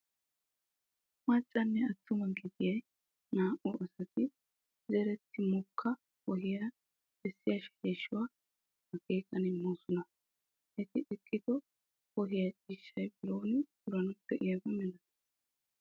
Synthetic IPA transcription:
mɐt͡ʃʼːɐnːɛɐt̪ːʊmɐɡɪd̪ɪjɐj | naːʔɔʔɐsɐt̪ɪ | zɛɾɛt̪ʰːɪmʊkʰːɐ | kɔɦɪjɐ̥ | ɛsːɪjɐʃɛ̥eːʃːɪwaː | ɐke̞ːkʼɐnɪmːoːsɔnɐ | ʔɛt̪ɪʔɛkʼːɪd̪ɔ | kɔɦɪjɐt͡ʃʼiːʃːɐjbɪɾoːnɪɡʊɾɐnʊpːɛʔɪjɐɡɛmɛnɐt̪ɛs

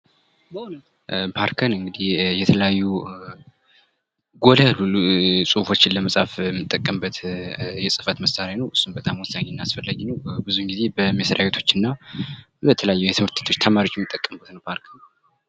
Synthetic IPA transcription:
pʰaɾkʰənɨŋɡɨd̪ihjɛt̪ʰələjajːu | ɡo̞ljalulusʼuhfo̞t͡ʃːɪlːəməsʼafɛmːɨt̪ʼːəkʼːəmbət̪jɛsʼɨfət̪məsaɾanəwʔɨsːunbət̪ʼamwɔsaɡinːasfəlːaɡinəwbɨzuɨŋɡize̞bəmesɾawet̪ʰo̞̥t͡ʃːɨnːa | bət̪ʰələjajːujɛt̪ʰɨmɨɾt̪ʰe̥t̪ʰo̞t͡ʃːt̪ʰəmaɾijo̞t͡ʃːjɛmːɨt̪ʼːəkʼːəmbət̪nəwpʰaɾkʰən

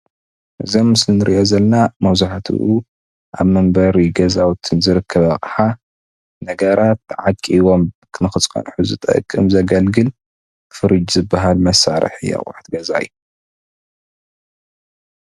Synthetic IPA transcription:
ʔɨzomːɨslinɨɾiʔozɐlnamɐwzaħat̪ʰɨ̰ʔu | ʔa̰βmɐmbɐɾiɡɐzawt̪ʰɨnzɨɾɨkʰːɐβɐχʼħa | nɐɡɐɾat̪ʕakʼːiwo̞mkʰɨnɨxɨt͡sʼkʼɐ̰nħuzɨt̪ʼɐ̰kʼːɨmzɐɡɐlɡɨl | fɨɾɨd͡ʒzɨbːaɦalmɐsaɾɨ̰ħjɐ̰χʼṵħt̪ɡɐza̰ḭju

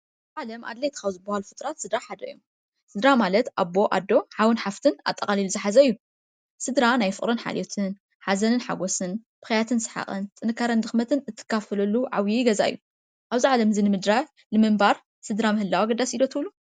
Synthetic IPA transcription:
ʔaβzʕalɐmʔa̰d̪lejt̪ʰɨkawzɨbːɐhalufɨt̪ʼɾat̪sɨd̪ɾaħad̪ɐɨjːu | sɨd̪ɾamalɐt̪ʔabo̞ʔa̰d̪ːo̞ħawɨnħaft̪ʰɨna̰t̪ʼːɐkʼaliluzɨħazɐɨjːu | sɨd̪ɾanajfɨχʼɾonħa̰l̰ot̪ʰɨn | ħazɐnɨnħa̰ɡosɨnb̥ɨxɐjat̪ʰɨnsɨ̥ħa̰χʼɨ̰nt̪ʼɨnɨkʰːaɾɐnd̪ɨxmɐt̪ʰɨnɨt̪ʰːɨ̥kːafɐlɐlːuʕawjiɡɐza̰ʔɨ̰jːu | ʔaβziʕalɐmzɨnɨmɨd̪ɾa | lɨmɨmbaɾ | sɨd̪ɾamɨhɨlːawaɡɐd̪ːasid̪ot̪ʰɨwlu

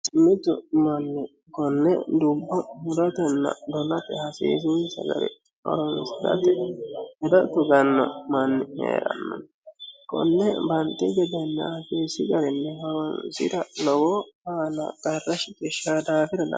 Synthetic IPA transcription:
sɪmːɪt̪ːʊ̰mɐnːɪ | kɔnːɛd̪ʊbːɐhʊd̪ɐt̪ɛnːɐ̰d̪ɔlɐt̪ɛhɐsḭːs̬insɐ̰ɡɐ̰ɾɛ̰ | hɔ̰ɾɔnsɪd̪ɐ̰t̪ɛhɛd̪ɐt̪ːʊɡɐnːɔ̰mɐnːɪhḛːɾɐ̰nːɔ̰n | kɔ̰nːɛbɐnt̪ːɪɡɛd̪ɛnːɛ̰hɐsiːsɪɡɐɾɛnːɛhɔɾɔnsɪ̰d̪ɐlɔwɔhaːnɐ̰ɡɐrːɐʃɪt̪ɛʃaːd̪aːfɪd̪ɛnɐ̰

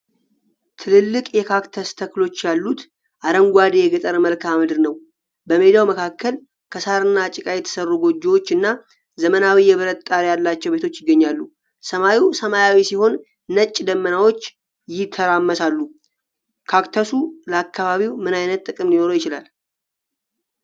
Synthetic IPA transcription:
t̪ʰɨlɨlːɨkʼjɛkʰakt̪ʰəst̪ʰəklo̞t͡ʃːjalːut̪ | ʔaɾəŋɡʷad̪ejɛɡət̪ʼəɾməlkʰamɨd̪ɨɾnəw | bəme̞d̪ijawməkʰakːəl | kʰəsaɾɨnːat͡ʃʼɪkʼajɛt̪ʰə̥sərːuɡo̞d͡ʒːewo̞t͡ʃːɨnːa | zəmənawijɛβɨɾət̪t̪ʼaɾejalːat͡ʃːɛwbe̞t̪ʰo̞t͡ʃːjɪɡːəɲːalːu | səmajiwsəmajawisiho̞nː | ət͡ʃʼːd̪əmːənawo̞t͡ʃː | jɪt̪ʰːəɾamːəsalːu | kʰakt̪ʰəsuləakːaβaβiwmɨnajnət̪ʼːɨkʼɨmlino̞ɾojɪt͡ʃɪla̰l

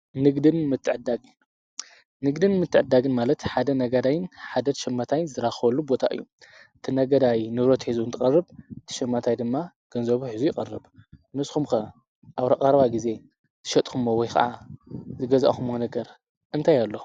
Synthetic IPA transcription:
nɨɡd̪ɨnmɨt̪ʰːɨʕd̪a | nɨɡd̪ɨnmɨt̪ʰːɨʕɨd̪aɡɨnmalɐt̪ħad̪ɐnɐɡɐd̪ajɪnħad̪ɐʃɐmːat̪ʰajnzɨɾaxɐβɐlːubo̞t̪ʰa̰ʔɨ̰jːuʔɨt̪ʰinɐɡɐd̪ajnɨβɾɐt̪ħizuɨnt̪ʰɨkʼɐrːɨbɨt̪ʰi̥ʃɐmːat̪ʰajd̪ɨmːa | ɡ̥ɐnzɐβuħɨzujɪqʼɐrːɨbmɨsxumxɐ | ʔaβɾɐkʼɐɾɐβaɡize̞ | t̪ʰɨ̥ʃɐt̪ʼkumowɔjxɐ̰ʕazɨɡɐza̰ʔxumonɐɡɐɾ | ʔɨnt̪ʰajalːo̞

